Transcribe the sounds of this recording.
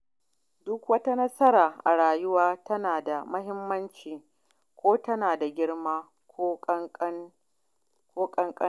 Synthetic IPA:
dʊ˦kwɐ˦ta˦nɐ˦sɐ˦ɾaː˨ʔa̰˨ɽaː˨jʊ˦waː˦tɐ˦naː˨da˨mɐ˦hɪ˦mːɐ˦nt͡ʃiː˨ | kʷoː˦tɐ˦naː˨da˨ɡʲɪ˦ɽmaː˦ | ko˦ | kʷoː˦kʼɐ˦ŋkʼɐ˦

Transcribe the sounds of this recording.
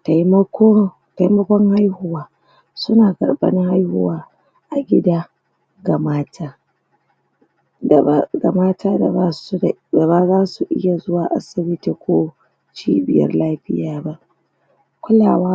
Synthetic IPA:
ta˨jm˦ko˦ | ta˨jmɐ˦kʷɔ˦ŋha˦jhʊ˦waː˦ | sʊ˦naː˨ɡɐ̰˨rbɐ̰˦nɪ˦ŋha˦jhʊ̰˦waː˦ | ʔa˨ɡʲɪ˦daː˦ | ɡa˨maː˦taː˦ | da˦ɡa˨maː˦tʰaː˦da˨ba˦˨da˨ba˦zaː˦su˨ʔɪ̰˦ja˨zʊ˦waː˨ʔa̰˦sɪ˨bɪ˦ti˨kʷoː˦ | t͡ʃiː˦bɪ˨jɐ̰˦rlaː˦ɸɪ̰˦jaː˦ba˦ʔ | kʷʊ˦laː˨waː˦

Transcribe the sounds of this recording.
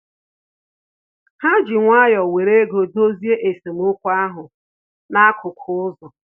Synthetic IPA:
ha˦d͡ʒɪ˨ŋʷa˦jɔ˨we˨ɾe˦ɡo˨do˦zi˦e˦ʔe˨se˨mʊ˦kʷu˦a˦ɦʊ˨ | na˦kʰʊ˨kʰʊ˨ʊ˦zɔ˨

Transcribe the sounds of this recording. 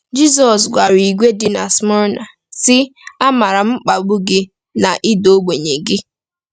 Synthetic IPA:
d͡ʒi˦s̬ɔ˨s̬ɡʷa˨ɾi˨ɡʷe˦dɪ˨na˨smɔ˦ɾna˨ | sɪ˦a˦ma˨ɾa˨m̩˦k͡pa˨ɡ͡bu˦ɡɪ˦ | na˨ʔi˦do˦ɡ͡be˨ɲe˨ɡɪ˦

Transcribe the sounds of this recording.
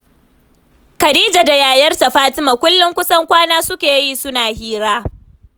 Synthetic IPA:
kɐ˨diː˦d͡ʒa˨da˨jaː˨jɐ˦rta˨ɸaː˦tɪ˦ma˨kʷʊ˦lːʊ˦ŋkʷʊ˦sɐ˦ŋkʷaː˦naː˦sʊ˦kʲeː˨ji˦sʊ˦naː˨hiː˦ɾaː˦

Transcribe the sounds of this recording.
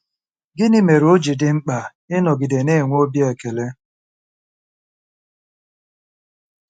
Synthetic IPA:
ɡɪ˦nɪ˦me˨ɾo˦d͡ʒi˨dɪ˨ŋ͡m̩˦k͡pa˨ | ɪ˦nɔ˨ɡɪ˨de˨ne˦˨ŋʷ˦o˦bje˨ke˨le˦

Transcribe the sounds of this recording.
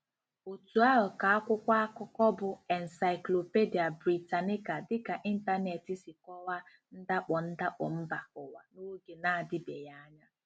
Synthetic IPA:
o˨tu˨a˦ɦʊ˨ka˨a˦kʷʊ˦kʷa˦a˦kʊ˦kɔ˦bʊ˨ɛ˨n̩˨sa˨ɪ˨klo˨pe˦di˨a˨bɾi˨ta˨nɪ˦ka˨dɪ˦ka˨ʔi˦n̩˦ta˦ne˨ti˦si˨kɔ˦wa˦ | n̩˦da˦k͡pɔ˨n̩˦da˦k͡pɔ̰˨m̩˦ba˨ʊ˨wa̰˨no˦ɡe˨na˦˨a˨dɪ˦be˨ja˦a˦ɲa˦

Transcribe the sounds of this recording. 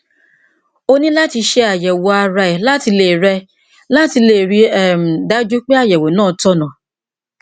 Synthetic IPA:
o˦nĩ˦la˦ti˧ʃe˧a˨jɛ˨wɔ˨a˧ɾa˧ɛ˨la˦ti˧le˦˨ɾɛ˧ | la˦ti˧le˨ɾi˧ɛ˨m̩˨da˦d͡ʒu˦k͡pe˦a˦˨jɛ˨wo˨nãː˦˨tɔ˦nã˨

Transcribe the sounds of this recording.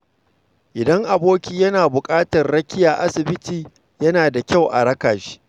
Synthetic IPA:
ʔɪ˨dɐ˦ŋʔa˨boː˦kʲiː˦jɐ˦naː˨bʊ˨kʼaː˦tɐ˨rɽɐ˦kʲɪ˦jaː˨ʔa˦sɪ˨bɪ˦tiː˨ | jɐ˦naː˨da˨kʲa˦˨wʔa̰˨ɽɐ˦kaː˨ʃi̥ː˦

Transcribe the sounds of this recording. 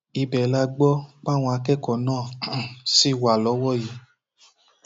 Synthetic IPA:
i˧bɛ˨la˧ɡ͡bɔ˦k͡pa˦˨w̃ɔ̃˧a˧kɛ˦kɔ˨nãː˦˨si˦˨wa˨lɔ˨˦wɔ˦˨ji˨˦

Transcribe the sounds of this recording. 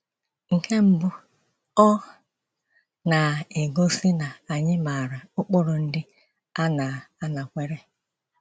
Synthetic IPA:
ŋ̩˨kʰe˦m̩˦bʊ˦ | ɔ˦ | na˨e˨ɡo˦si˦na˨a˨ɲɪ˦ma˨ɾa˨ʊ˦k͡pʊ˦ɾʊ˨n̩˦dɪ˦ | a˦na˨a˦na˨kʷe˦ɾe˦

